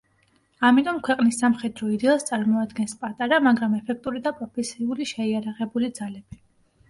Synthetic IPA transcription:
amit̪ʼɔmkʰwɛqʼnisːamχɛd̪ɾɔid̪ɛɛlˠst̪sʼaɾmɔad̪ɡɛnspʼat̪ʼaɾamaɡɾamɛpʰɛk̚ʰt̪ʼuɾid̪apʼɾɔpʰɛsiuliʃɛiaɾaʁɛbulid̪z̥alɛb̥i

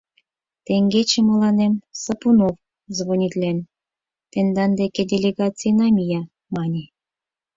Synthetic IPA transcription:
t̪eŋɡet͡ɕĕmə̆lɑnemsɤpunof | zβonʲit̪ʲlʲen | t̪ĕnd̪ɑnd̪eked̪ʲelʲeɡɑt͡sijnɑmʲijɑ | mɑnʲe

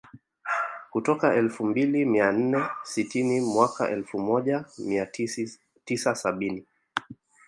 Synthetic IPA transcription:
kutɔkaʔɛlfumbilimian̩nɛsitinimwaka̰ʔɛlfumɔʄamia | tisasaɓini

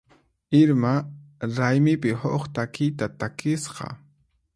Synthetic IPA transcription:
ɪɾmaɾajmɪpɪhoχt̪akɪjt̪at̪akɪsqɑ̰

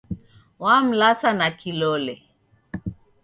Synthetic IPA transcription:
wam̩lasanakilɔlɛ

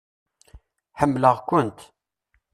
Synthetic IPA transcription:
ħəmːləʁkʷʊnt̪

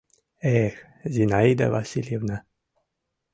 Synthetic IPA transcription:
ex | zinajd̪a̰vasiljevna

